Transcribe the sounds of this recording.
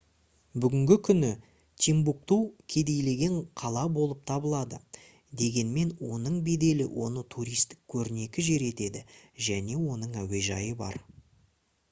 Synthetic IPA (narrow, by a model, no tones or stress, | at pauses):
bʏɡʲɪŋɡʲɪkʲʰʏnɪ | t̪ʲʰimbuk̚t̪ukʲʰe̞d̪e̞jle̞ɡʲe̞ɴqʰɑlˠɑbo̞lˠəp̚t̪ʰɑbəlˠɑd̪ə̰ | d̪e̞ɡʲe̞nme̞nwo̞nəɴbe̞d̪e̞lɪ̰wʔo̞nət̪ʰuɾijst̪ɪ̥kʲkʲʰɵɾɪne̞kʲɪʒe̞ɾe̞t̪e̞d̪ɪʒæne̞wo̞nəɴæwe̞ʒɑjəbɑ̰ɾ